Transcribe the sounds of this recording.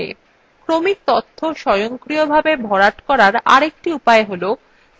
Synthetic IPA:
ḛ | kɾomik̚t̪ot̪ʰːoʃɔjoŋkɾiobʱabebʱɔɾaʈkɔɾaɾa̰ɾek̚ʈiupaeɦolo

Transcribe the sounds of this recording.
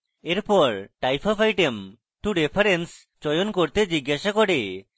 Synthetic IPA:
eɾpɔɾʈajpʰɔpʰajʈem | ʈuɖepʰaɾens | t͡ʃɔjonkoɾt̪ed͡ʒiɡːaʃakɔʈe

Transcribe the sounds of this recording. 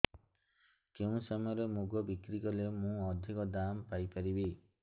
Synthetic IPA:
keũsɔmɔjɔɾemuɡɔbikɾikɔlemũɔd̪ʱikɔd̪ampajpaɾibi

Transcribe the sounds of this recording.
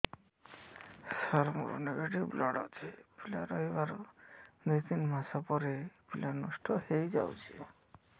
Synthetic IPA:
saɾmṵɾ̰neɡeʈiblɔɽɔ̰t͡ʃʰipila̰ɾɔjbaɾ | nit̪inmasapɔɾepilanɔsʈʰɔhejd͡ʒa̰wt͡ʃʰi

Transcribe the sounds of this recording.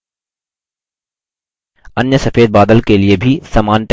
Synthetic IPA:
ɐnjəsɐfeːd̪̚baːd̪əlkeliebʱisaːmaːnʈ

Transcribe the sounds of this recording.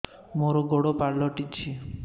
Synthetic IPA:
moɾɔɡoɽopaɾlɔʈit͡ʃʰi

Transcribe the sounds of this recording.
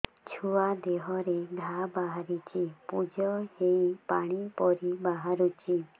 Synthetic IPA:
t͡ʃʰuad̪eɦɔɾeɡʱabaɦaɾit͡ʃʰipud͡ʒɔheipaɽ̃ipɔɾibaɦaɾut͡ʃʰi

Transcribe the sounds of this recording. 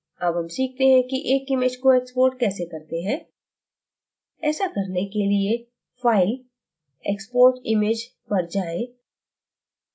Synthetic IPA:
ɐbɦɐmsiːk̚ʰt̪eɦɛ̃kiʔeːkɪmeːd͡ʒkoeːkspoːɾʈkɛːsekɐɾt̪eɦɛ̃ː | ɛːsakɐɾnekelie | faːɪl | ḛːkspoːɾʈɪmeːd͡ʒ | pɐɾd͡ʒaːeː

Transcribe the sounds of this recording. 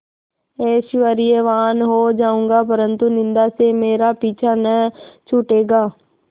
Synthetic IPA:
eːʃʋəɾieʋaːnɦoːd͡ʒaːũːŋɡaːpəɾənt̪unɪ̃nd̪aːsemeːɾapiːt͡ʃʰanət͡ʃʰʊʈeːɡaː

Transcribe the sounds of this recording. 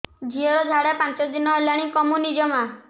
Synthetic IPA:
d͡ʒʱiɔɾɔd͡ʒʱaɽepant͡ʃɔd̪inɔelaɽ̃ĩkɔmunid͡ʒɔma

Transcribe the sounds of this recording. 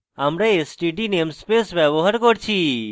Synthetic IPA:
amɾeesʈiʈinemspesʋɛʋoɦəɾkoɽt͡ʃʰiː

